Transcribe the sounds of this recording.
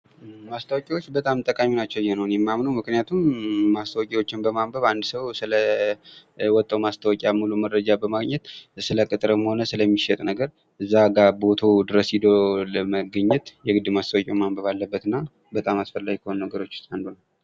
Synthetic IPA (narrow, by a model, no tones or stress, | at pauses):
mast̪ʰəwakʼiwot͡ʃːbət̪ʼamt̪ʼəkʼaminat͡ʃːɛwjːɛnəwnjɛmːamnuwmɨknɨjat̪ʰumːast̪ʰəwkʼiwot͡ʃːɪnbəmambəβand̪səwsɨlə | wɔt̪ʼːəwmast̪ʰəwɔkʼjamuluməɾəd͡ʒabəmaɡɲɛt̪sɨləkʼɨt̪ʼɨɾɨmho̞nəsɨləmːiʃɛt̪ʼnəɡəɾ | ʔɨzːaɡabo̞t̪ʰod̪ɨɾəsid̪oləməɡɨɲːɛt̪jɛɡɨd̪ːɨmast̪ʰəwakʼiwmambəβalːəbːət̪ɨnːa | bət̪ʼamasfəlːaɡikʰəhonnəɡəɾo̞t͡ʃːu̥st̪ʼand̪onal